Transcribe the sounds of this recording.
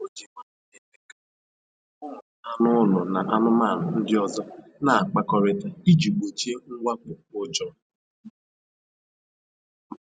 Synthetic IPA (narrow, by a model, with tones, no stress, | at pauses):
o˦d͡ʒi˨ka˦˨e˨te˦ka˨ | ʊ˦˨a˨nʊ˦lɔ˨na˨ʔa˦nʊ˦maː˦˨n̩˨n̩˦dɪ˦ɔ˨zɔ˦na˨a˨k͡pa˨kɔ˨ɾɪ˨ta˨i˦d͡ʒi˨ɡ͡be˨t͡ʃe˦ŋ̩˦ɡʷa˦kʊ˨o˨d͡ʒɔ˦